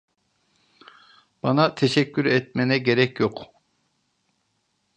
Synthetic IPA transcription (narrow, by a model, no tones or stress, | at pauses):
b̥ɑnat̪ʰɛʃɛcʲːyɾɛt̪̚mɛnɛɟeɾɛcjoq